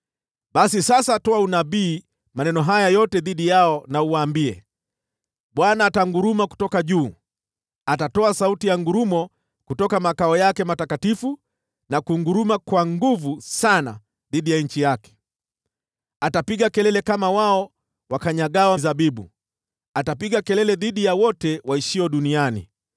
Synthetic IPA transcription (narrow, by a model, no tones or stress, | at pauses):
ɓasisasatɔaunaɓiː | manɛnɔɦajajɔtɛðiɗijaɔnauwaːmbiɛ̰ | ɓwanaːtaŋɡuɾumaku̥tɔkaʄuː | atatɔasautijaŋɡuɾumɔ | kutɔkamakaɔjakɛmatakatifu | nakuŋɡuɾumakwaŋɡuvusana̰ | ðiɗijaɲ̩t͡ʃijakɛ̥ | atapiɠakɛlɛlɛkamawaɔ | wakaɲaɠawazaɓiɓṵ | atapiɠakɛlɛlɛðiɗijawɔtɛwaiʃiɔɗunianḭ